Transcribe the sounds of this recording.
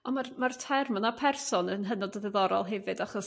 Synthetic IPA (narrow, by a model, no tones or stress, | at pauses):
ɔnmarmartʰɛrmənapʰɛrsɔnənɦənɔdəðɛðɔɾɔ̰lˠɦɛvɨdaχɔs